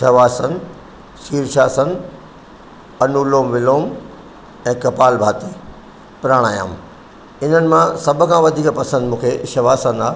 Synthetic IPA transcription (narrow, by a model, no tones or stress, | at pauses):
ʃɐʋaːsən | ʃiːɾʃaːsən | ɐnuːloːmʋɪloːm | ɛ̃ːkɐpaːlbʱaːt̪i | pɪɾaːɽ̃aːja̰ːm | ɪn̤ənɪ̆mãsɐbʱʊ̆kʰãʋɐd̪ʱiːkpɐsə̃nd̪mũːkʰeʃɐʋaːsənaː